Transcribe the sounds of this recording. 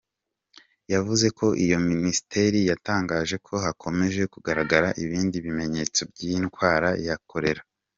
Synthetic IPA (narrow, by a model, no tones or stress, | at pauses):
javuze̞kʰo̞ʔijo̞minisi̥te̞ɾijataːŋɡaːʒe̞kʰo̞ɦakʰo̞me̞ʒe̞kuɡaɾaɡaɾaʔiβiːndiβime̞ɲe̞t͡so̞bɟinɡwaːɾajakʰo̞ɾe̞ɾa